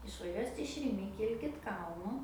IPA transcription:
ɪʃʋɐˈʒʲuɔsʲɪt ɪʃ rʲɪˈmʲɪ ˈkʲɪlʲkʲɪt ˈkɐlˠnʊ

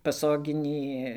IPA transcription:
pɐˈsoːɡʲɪnʲiː

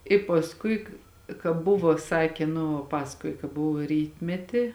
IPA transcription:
ɪ pɐsˈkʊɪ kɐ kɐ ˈbʊʋoː ˈsɑːkʲeː nʊ ˈpɑːsɐkoːjɪ kɐ ˈbʊʋoː ˈrʲiːtʲmʲɛtʲɪ

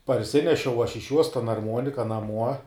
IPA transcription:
pɐrʲˈsʲɪnʲɛʃʲɛʊ ɐʃ ɪʃ juɔs tɐn ɐrˈmuɔnʲɪkɐ nɐˈmuɔ

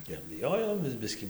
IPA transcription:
ɪr bʲɪˈjoːjoːmʲeːs ˈbʲɪsʲkʲiː

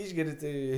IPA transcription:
ˈɪʒʲɡʲɛrʲɪ tɐɪ

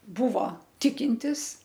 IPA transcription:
ˈbʊʋoː ˈtʲɪkʲɪnʲtʲɪs

